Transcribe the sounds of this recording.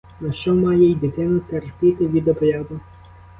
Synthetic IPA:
nɐʃt͡ʃɔmɑjɛjd̪ʲɪt̪ɪnʊt̪erpʲɪt̪ɪʋʲid̪ɔbɾʲjɑd̪ʊ

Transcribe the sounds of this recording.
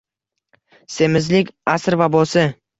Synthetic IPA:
se̞mɪzlɪkʲasɾvabɒsɪ

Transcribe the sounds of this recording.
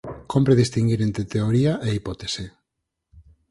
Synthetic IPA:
kʰompɾeðist̪iŋɡiɾent̪ɾet̪eoɾiaʔeipɔt̪ese

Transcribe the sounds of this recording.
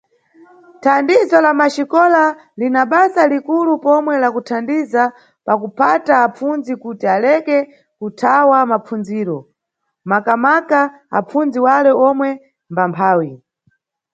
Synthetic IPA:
tʰandizɔlamaʃikɔla | linaɓasalikulupɔmwɛlakutʰandiza | pakupʰataːp͡funzikutialɛkɛ | kutʰawamap͡fund͡ziːɾɔ | makamaka | a̰p͡fund͡ziwalɛɔmwɛ | mbampʰaːwi

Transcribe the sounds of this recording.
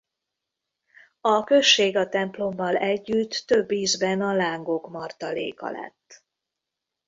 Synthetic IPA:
ɒkø̞ʃːeːɡɒt̪ɛmplo̞mːɒlɛɟːyt̪ːø̞bːiːzbɛnɒlaːŋɡo̞kmɒrt̪ɒlḛːkɒ̰lɛ̰t̪ː

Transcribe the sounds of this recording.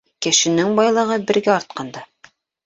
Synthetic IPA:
kɘ̆ʃɘ̆nɘŋbɑjlˠɤ̆ʁɤbɘ̆ɾɡæɑɾt̪̚qɑnd̪ɑ

